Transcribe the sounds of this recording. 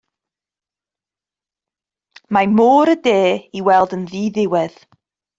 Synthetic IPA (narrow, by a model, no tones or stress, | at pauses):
mamoːɾədeːiwɛlˠdənðiːðɪwɛð̥